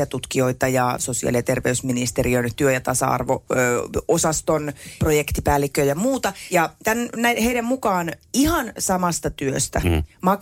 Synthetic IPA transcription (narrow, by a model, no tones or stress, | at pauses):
ɑt̪ut̪kio̞it̪ɑjɑso̞siɑ̰lijɑt̪e̞rʋeysminist̪eriønt̪yøjɑt̪ɑsɑ̰ɑ̰rʋo | osɑst̪onprojekt̪ipæːlːikːøjɑmuːt̪ɑjɑt̪ænnæiheidæmmukɑːnihɑnsɑmɑst̪ɑt̪yøst̪æ̰mɑk